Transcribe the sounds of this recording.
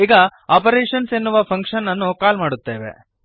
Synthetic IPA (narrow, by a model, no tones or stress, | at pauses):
iːɡɐaːpɐɾeːʂɐnsenːuʋɐpʰɐŋkʂɐnːɐnːukaːlmaːɽut̪ːeːʋḛ